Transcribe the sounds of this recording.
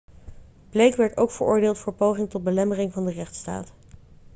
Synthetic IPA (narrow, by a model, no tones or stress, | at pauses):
b̥lejkʋɛɹtowkfəɹʊːɹdɪːlˠtfʊːɹpowχɪŋtɔt̚bəlɛmərɪŋvɑndərɛχtsta̰ːt